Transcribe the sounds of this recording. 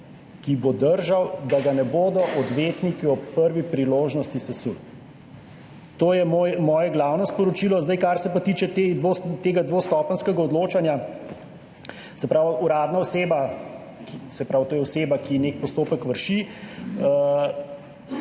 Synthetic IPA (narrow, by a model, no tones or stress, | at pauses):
kibod̪əɾʒawd̪aɡanɛboːd̪ɔʔɔd̪ʋeːt̪nikiɔpːəɾʋipɾiloːʒnɔst̪isɛsu | t̪oːjɛmojmɔːjɛɡlaːwnɔspɔɾɔt͡ʃiːlɔzd̪ajkaɾsɛpat̪iːt͡ʃɛt̪ed̪ʋot̪eːɡad̪ʋost̪ɔpənskɛɡaɔd̪loːt͡ʃanja | sɛpɾawuɾaːd̪naɔseːba | kisɛpɾawt̪oːjɛɔseːbakinek̚pɔst̪oːpəkʋəɾʃi